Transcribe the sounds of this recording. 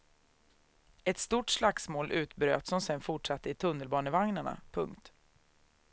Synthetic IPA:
ɛt̪st̪uːʈʂlaksmoːlʔʉ̟ːt̪bɾø̰ːt̪sɔmsɛnfʊʈʂat̪ːəɪt̪ʰɵnːəlbɑːnəvaŋnaɳa̰pʰɵŋkt̪

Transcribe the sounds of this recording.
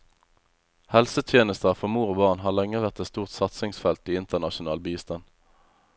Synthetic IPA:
hɛlsət̪ʰjeːnəst̪əʁfɔmuːʁoːbɑʁnɦɑːʁlɛŋəʋæʁt̪ɛt̪st̪uːʁt̪sɑt̪sɪŋsfɛlt̪iːɪnt̪əʁnɑʃʊnɑːlbiːst̪ɑn

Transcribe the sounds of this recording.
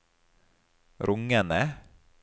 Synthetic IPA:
ɾʔʊŋənə

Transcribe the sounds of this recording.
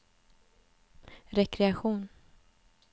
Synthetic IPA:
ɾɛkɾɛaɧuːn

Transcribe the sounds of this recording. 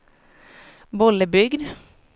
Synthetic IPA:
bɔləbʏɡd̪

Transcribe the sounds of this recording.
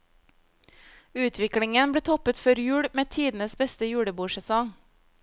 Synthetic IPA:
ʉːt̪ʰʋɪklɪŋənbɽeːt̪ʰɔpət̪fœɾjʉːɽmeːt̪ʰiːd̪n̩əsbɛst̪əjʉːɽəbuːʃɛsɔŋ

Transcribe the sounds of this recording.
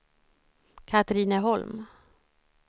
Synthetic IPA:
kʰat̪ɾiːnəɦɔlm

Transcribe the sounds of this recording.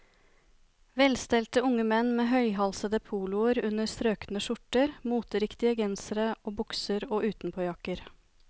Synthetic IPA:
ʋɛlst̪ɛlt̪əʊŋəmɛnːmeːɦœʏɦɑlsəd̪əpʰuːlʊəɾʉnəɾst̪ɾøːknəʃʊʈəɾmuːt̪əɾɪkt̪ɪəɡɛnsəɾəoːbʊksəɾoːʔʉːt̪n̩pʰoːjɑkəɾ

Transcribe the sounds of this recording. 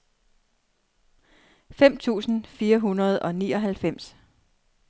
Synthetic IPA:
fem̰t͡sʰṵːsn̩fiːɐɦunɐð̞̩ˠɒ̽nḭːɒ̽ɦælfem̰s

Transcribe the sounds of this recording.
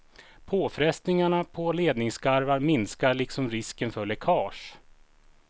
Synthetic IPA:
pʰoːfɾɛst̪nɪŋaɳapʰɔleːd̪nɪŋskaɾvaɾmɪnskaɭɪksɔmɾɪskənfœɭɛkʰɑːʂ

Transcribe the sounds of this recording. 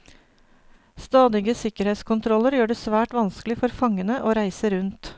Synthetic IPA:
st̪ɑːd̪ɪɡəsɪkəɾheːt̪skʰʊnt̪ʰɾɔləɾjøːɖeːsʋæːʈʋɑnsklɪfɔɾfɑŋənəʔoːɾæɪsəɾʉnt̪

